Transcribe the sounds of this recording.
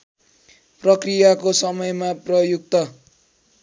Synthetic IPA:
prʌkrijakosʌmʌjmaprʌjuk̚t̪ʌ

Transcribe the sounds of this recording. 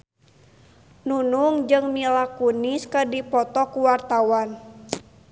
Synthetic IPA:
nunuŋd͡ʒɨŋmilakuniskədipɔt̪ɔkuwart̪awan

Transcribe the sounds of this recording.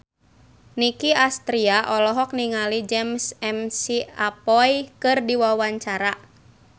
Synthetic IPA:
nikiast̪ɾiaʔɔlɔɦɔk̚niŋalid͡ʒɛmsɛmsiapɔjkɨrdiwawaɲt͡ʃaɾa

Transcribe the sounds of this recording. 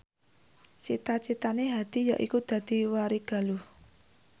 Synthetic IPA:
t͡ʃit̪at͡ʃit̪aneɦad̪̥i̤jaʔikud̪̥ä̤d̪̥i̤waɾiɡ̥a̤luh

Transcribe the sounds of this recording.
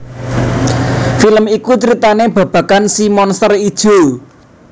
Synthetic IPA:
filəmikut͡ʃəɾit̪aneb̥a̤b̥ä̤kansimɔnsərid̥ʒ̥o̤

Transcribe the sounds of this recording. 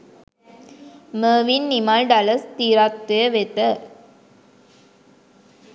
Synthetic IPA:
məːʋinːimaːlɖɐlɐst̪iːɾaːt̪ːɐjɐʋet̪ə

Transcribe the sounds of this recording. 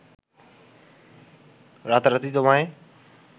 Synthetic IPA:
ɾaːt̪ɾət̪id̪oʋãːẽː

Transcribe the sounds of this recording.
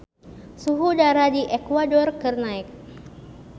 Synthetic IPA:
suɦudaɾadiʔekwadɔrkərnaik̚

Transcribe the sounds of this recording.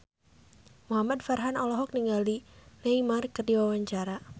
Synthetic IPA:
muɦamadfarɦanɔlɔɦɔk̚niŋɡalineimarkərdiwawaɲt͡ʃaɾa

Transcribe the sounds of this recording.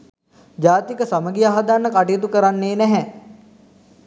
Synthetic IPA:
d͡ʒaːt̪ikəsaməɡiaɦad̪anːəkaʈijət̪̬ukəɾanːeːnɛɦɛ

